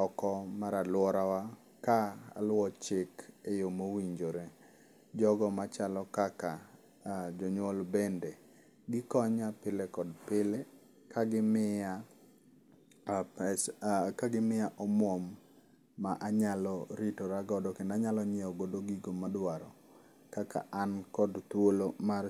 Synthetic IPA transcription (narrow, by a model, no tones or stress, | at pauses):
ɔkɔmaɾalwɔɾawa | kaa̰lwɔt͡ʃɪkejomowiɲd͡ʒoɾe | d͡ʒɔɡɔmat͡ʃalɔkaka | d͡ʒɔɲwɔlbende | ɡɪkɔɲapɪlekɔdpɪle | kaɡɪmɪa | pɛkaɡɪmɪaʔɔmɔmː | aʔaɲalɔɾitoɾaɡɔdɔkendaɲalɔɲɛɔɡodoɡiɡomadwaɾɔ | kakʰa̰ʔankɔdt̪wolomar